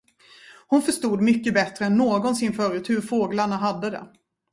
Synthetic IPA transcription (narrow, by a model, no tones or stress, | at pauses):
hʊnfœʂt̪uːd̪mʏkːəbɛt̪ɾəɛnːoːɡɔnsɪnfœːɾʉːt̪hɵɾfoːɡlaɳaɦad̪ːəd̪ɛ̰